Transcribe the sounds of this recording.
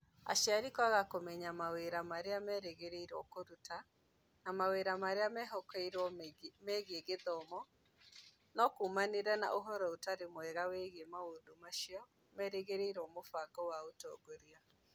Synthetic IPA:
a̰ʃjaɾikwaɣakomɛɲamaweɾamaɾeamɛɾeɣeɾeiɾwɔkoɾuta | namaweɾamaɾeamɛɦɔkeiɾwɔmɛɣeɡeðɔmɔ | nɔkumaneɾɛna̰ʔoɦɔɾɔotaɾemoɛɣaweɣemaodomaʃiɔ | mɛɾeɣeɾeiɾwɔmofaɡɔwaotɔ̰ːɡoɾia

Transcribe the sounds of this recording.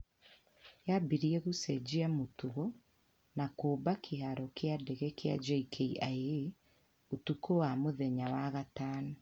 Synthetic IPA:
jabiɾiɛɣusɛd͡ʑiamotuɣɔ | nakoːbakʰeɦaɾɔkeadɛɣɛkea̰d͡ʑaikʰeiʔae | otukowamoðɛɲawaɣataːnɔ

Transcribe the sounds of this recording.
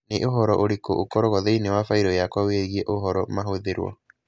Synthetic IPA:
neʔoɦɔɾɔʔoɾekoʔokɔɾoɣɔðeinewafaiɾɔjakwaweɣiɛʔoɦɔɾɔmaɦoðeɾwɔ̰

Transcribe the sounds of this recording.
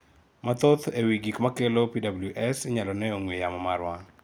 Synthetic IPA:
mat̪ot̪ewiɡikmakelopidabuljuʔɛsɪɲalɔnɛoŋwejamɔmaɾwa

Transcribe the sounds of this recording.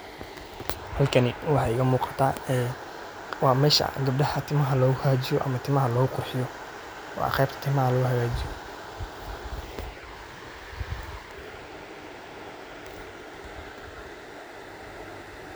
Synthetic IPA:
hɐlkʰɐnɪwɑħɑjɪɣɐmuːqɑ̥t̪ʰaːɛː | wɑːmɛːʃɐ̰ɡɐb̚ɖɐhɐt̪ʰɪmɐɦɐlɔːɣʊhaːt͡ʃɪjɔʔɐ̰mɐt̪ʰɪmɐɦɐlɔːɣʊqʰʊrħɪjɔ | wɑ̰qɛjb̚t̪ʰɐ̥t̪ʰɪmɐɦɐlɔɣʊhaɣaːt͡ʃɪjɔ

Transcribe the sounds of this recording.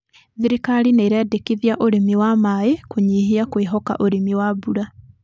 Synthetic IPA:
ðiɾikaɾineːɾeadekiðiaʔoɾemiwamaekoɲiːɦiakweɦɔka̰ʔoɾemiwabuɾa

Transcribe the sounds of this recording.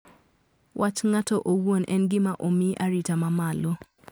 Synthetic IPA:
wʔat͡ʃŋatoʔowonʔɛnɡɪmaʔomiʔaɾitamamalo

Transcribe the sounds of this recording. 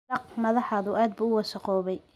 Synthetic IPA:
ɐqmɐðɑħaːðʊʔaːd̪̚buːʊwɑsɑqɔːβɛj

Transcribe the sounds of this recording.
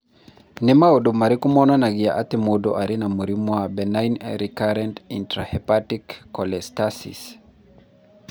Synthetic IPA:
nɛmaɔdumaɾikumɔnanaɡia̰ʔat̪imodɔʔaɾinamuɾimwabɛnajnɾikaɾɛntintɾahɛpatikːɔlɛstasḭs

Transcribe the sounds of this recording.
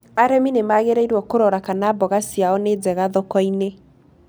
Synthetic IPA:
aɾɛminemaɣeɾeiɾwɔkoɾɔɾakanaːbɔɣasiaɔned͡zɛɣaðɔkɔine

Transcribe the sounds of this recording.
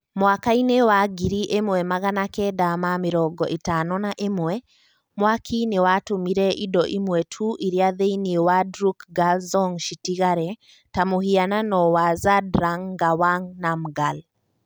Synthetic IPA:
mwakainewaɡiɾiʔemwɛmaɣanakɛdamamɪɾɔɡɔʔetanɔnaʔemwɛ | mwakʰinewatomiɾɛʔidɔʔimwɛtʰuʔiɾiaðeiniewadɾukɡalzɔŋʃitiɣaɾɛ | tamohiananɔwazadɾaŋɡawaŋnamɡal

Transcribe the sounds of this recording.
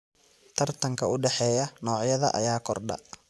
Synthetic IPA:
t̪ʰɐrt̪ʰɐŋkʰɐʊɖɛħɛːjɐnɔːʕjɐðɐ̰ʔɐ̰jaːkʰɔrɖɐ̰

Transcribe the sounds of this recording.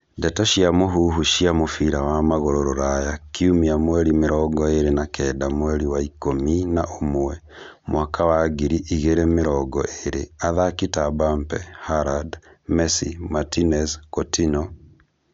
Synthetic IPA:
dɛtaʃiamoɦuɦuʃiamofiɾawamaɣoɾoɾɔɾajakiumiamwɛɾimeɾɔɡɔeɾenakɛːdamwɛɾiwaikominaʔomwɛ | mwakawaɡiɾiʔiɣeɾemeɾɔɡɔʔeɾeaðakitabampɛhaɾad | mɛsimatinɛskotinɔ

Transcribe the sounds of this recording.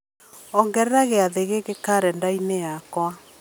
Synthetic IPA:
ɔŋɡɛɾɛɾaɣeaðeɣeɣekaɾɛndainejakwa

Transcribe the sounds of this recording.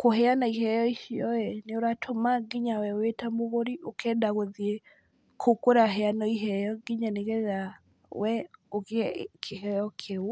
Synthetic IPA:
kohɛanaiɦɛjɔiʃiɔɛneoɾatʰomaɡiɲawɛowetamoɣoɾiokɛdaɣwoðie | kʰokoɾaɦɛanɔiɦɛjɔɡiɲaneɣɛa | wɛoɣɛkʰeɦɛjɔkʰeo

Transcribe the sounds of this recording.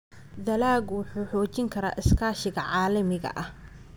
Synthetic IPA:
d̪ɐlaːɡwʊħuːħɔːt͡ʃɪŋkʰɐɾa̰ːʔɪskʰaːʃɪɣɐʕɑːlɐmɪɣɐ̰ʔɐh

